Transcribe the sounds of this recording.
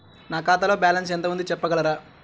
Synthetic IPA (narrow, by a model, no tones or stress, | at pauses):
naːkaːt̪ɐlo̞ːbaːlɐns̬ɛnt̪̬ɐmund̪it͡ʃɛpːɐɡɐɭɐɾaː